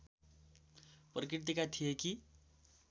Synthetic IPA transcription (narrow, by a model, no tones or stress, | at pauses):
prʌkɾiʈ̚t̪ikat̪ʰijeki